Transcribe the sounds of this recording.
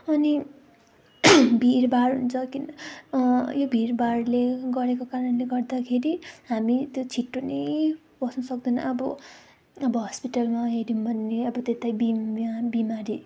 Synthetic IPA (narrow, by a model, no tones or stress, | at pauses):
ʌni | bʱirbarɦṵnt͡sʰʌkin | jobʱiɾbarleɡʌɾekokaɾʌnleɡʌrd̪akʰeɾiɦamit̪jot͡sʰiʈːonʌj | bʌsnʌsʌkd̪unʌ̰ʔʌbʌ | ʌbʌɦʌspiʈʌlmaɦeɾimbʱʌnːeʌbʌt̪et̪ajbiabimaɾi